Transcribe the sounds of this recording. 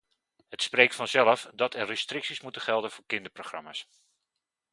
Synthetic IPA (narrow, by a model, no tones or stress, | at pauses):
hətsprejk̚tfɑnzɛləfdɑtʰɛrːestrɪksismutəχɛlˠdənvʊːɹkɪndəproχrɑ̰ma̰ːs